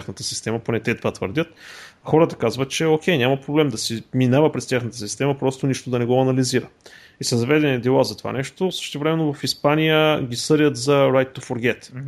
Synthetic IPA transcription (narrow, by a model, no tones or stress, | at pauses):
xnət̪əsi̥st̪ɛməponɛt̪ɛt̪ovat̪və̰ɾd̪ʲət̪ | xɔɾət̪ɐ̥kazvət̪̚t͡ʃɛok̟ʰʲɛjnʲamɐpɾoblɛmd̪ɐsiminavəpɾɛst̪ʲjaxnət̪əsist̪ɛməpɾɔst̪oniʃt̪od̪ɐnɛɡɔɐnɐliziɾə | isɐzɐvɛd̪ɛnid̪ɛlˠazɐt̪ova̰nɛʃt̪osə̥ʃt̪ɛvɾɛmɛnːovɐfispanijəɡʲisɤɾʲət̪zɐɾajtt̪ːofoɾɡʲɛt̪